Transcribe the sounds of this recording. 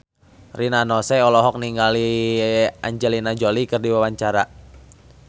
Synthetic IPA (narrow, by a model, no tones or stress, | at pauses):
rinanɔsɛɔlɔɦɔk̚niŋɡali | aɲd͡ʒɛlinad͡ʒolikɨrdiwawaɲt͡ʃaɾa